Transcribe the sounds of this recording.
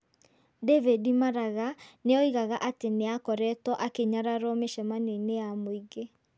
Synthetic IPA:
dɛvedimaɾaɣaneɔiɣaɣaʔateneakɔɾɛtɔʔakeɲaɾaɾɔmeʃɛmanenejamoiɣe

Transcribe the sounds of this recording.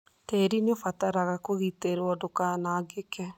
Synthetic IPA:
tɛɾineofataɾaɣakoɣiteɾɔdokanaːɡekɛ

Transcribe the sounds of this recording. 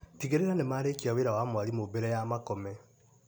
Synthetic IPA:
tiɣeɾeɾanemaɾekiaweɾawamwaɾimobɛɾɛjamakɔmɛ

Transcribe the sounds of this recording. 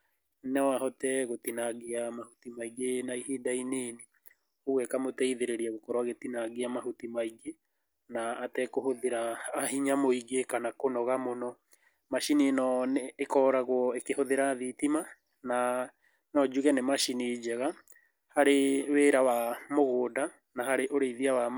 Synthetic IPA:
nɛwaɦɔtɛɣotinaɣeamahutimaiɡenaiɦedaineːne | oɣwɛkamotɛiðeɾeɾiaɣokɔɾwaɣetinaɡeamahutimaiɡe | naːtɛkohoðeɾaːhiɲamoiɡekanakonɔɣamonɔ | maʃininɔneːkɔɾaɣwɔekehoðeɾaðitima | na | nɔd͡ʒuɣɛnemaʃinid͡ʒɛɣa | haɾeweːɾawamoɣoːda | nahaɾeʔoɾeiðiawa

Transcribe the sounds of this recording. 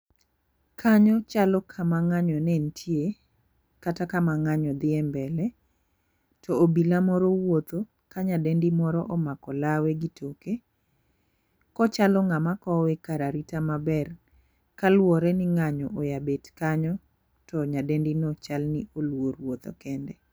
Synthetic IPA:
kʰaɲɔt͡ʃalɔkʰamaŋaɲɔnɛntʰje | katakamaŋaɲɔd̪ɪɛmbɛlɛ | tʰɔobilamɔɾɔwot̪o | kaɲadendimɔɾɔʔɔmakɔlaweɡitʰoke | kɔt͡ʃalɔŋamakɔwɛkaɾaɾitamabɛr | kalwɔɾɛnɪŋaɲɔʔojabetkaɲɔ | tɔɲadendinɔt͡ʃalniolwoɾwot̪o̰kɛndɛ

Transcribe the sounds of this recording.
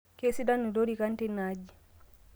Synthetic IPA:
kesidanːidoɾikantɛnad͡ʒi

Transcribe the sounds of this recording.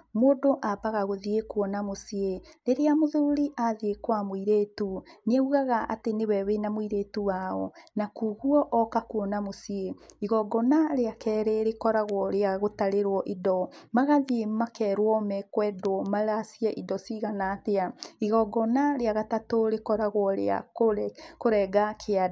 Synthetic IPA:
moːdoʔabaɣaɣoðiekwɔnamosieɾeɾeamoðuuɾiʔaðiekwamoiɾetunɛuɣaɣaʔa̰tenewɛwenamoiɾetuwaɔnakuɣuɔʔɔkakuɔnamosieiɣɔɡɔnaɾeakɛːɾeɾekɔɾaɣwɔɾeaɣotaɾeɾwɔʔidɔmaɣaðiemakɛːɾwɔmɛkwɛdwɔmaɾasiɛʔidɔsiɣanateaiɣɔɡɔnaɾeaɣatatoɾekɔɾaɣwɔɾḛa̰okoɾɛːɡakʰea

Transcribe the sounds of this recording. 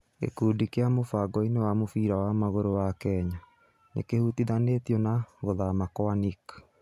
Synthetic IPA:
ḛkuːdikejamofaɡɔinewamofiːɾawamaɣoɾowakɛɲa | nḛkehutiðanetiɔnaɣoðamakɔanik

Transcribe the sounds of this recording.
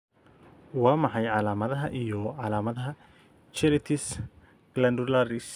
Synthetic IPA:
wɑːmɑħɑjʕɑlaːmɐðɐɦɐʔijɔʕɑlaːmɐðɐɦɐ | t͡ʃɛɾɪt̪ʰɪs | ɡ̥lɐnd̪ʊlaɾɪs

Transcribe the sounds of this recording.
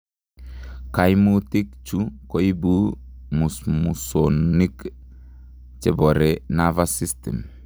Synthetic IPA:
kajmutikt͡ʃukoibu | musmusonik | t͡ʃeboɾenavasistḛm

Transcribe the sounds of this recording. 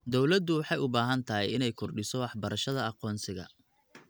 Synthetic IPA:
d̪ɔwlɐd̪ʊwɑħɑjʊbaːɦɐnt̪ʰɐɦɛ̰jɪnɛjkʰɔrɖɪsɔwɑħbɐɾɐʃɐðɐɑqɔːnsɪɣɐ̰

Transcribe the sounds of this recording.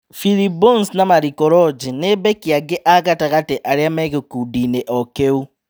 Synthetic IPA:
filibɔnsnamaɾikɔɾɔd͡ʒinebɛkiaɡeʔaɣataɣateʔaɾeamɛɣekudineʔɔkeu

